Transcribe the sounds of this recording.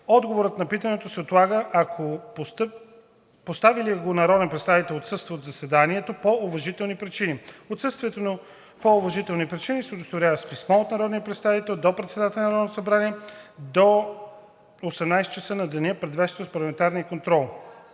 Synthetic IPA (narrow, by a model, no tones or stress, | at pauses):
ɔd̪ɡovoɾət̪nɐpit̪ənɛt̪osɛot̪lˠaɡəʔɐkʰopost̪p | post̪aviliɡonɐɾɔd̪ɛnpɾɛt̪st̪avit̪ɛlˠot̪sɤst̪vəotd̪zɐsɛd̪aniɛt̪opoʊvɐʒit̪ɛlˠnipɾit͡ʃiniot̪sɤst̪viɛt̪ono | poʊvɐʒit̪ɛlˠnipɾit͡ʃinisɛod̪ost̪oɾʲavəspismɔot̪nɐɾɔd̪nijəpɾɛt̪st̪avit̪ɛlˠd̪opɾɛt̪sɛd̪at̪ɛlʲɛnɐɾɔd̪nt̪o̥sɐbɾaniɛd̪o | osɛmnajsɛ̥t͡ʃɐsənɐd̪ɛnʲəpɾɛd̪vɛst̪vəspɐɾlˠɐmɛnt̪aɾniəkont̪ɾɔlˠ